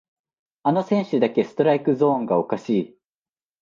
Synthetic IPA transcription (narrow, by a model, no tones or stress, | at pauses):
ano̞sẽ̞ɰ̃ɕɨd̪ake̞sɨ̥t̪o̞ɾaikɯ̟zõ̞ːŋɡao̞kaɕiː